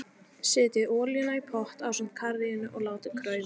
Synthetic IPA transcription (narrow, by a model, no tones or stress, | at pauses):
sɪːt̪ɪʔɔːljɪnaipʰɔht̪aːwsʏm̥t̪kʰaɾðiɪnːʏʔɔɣlaːwt̪ɪkʰɾœːɥvɪ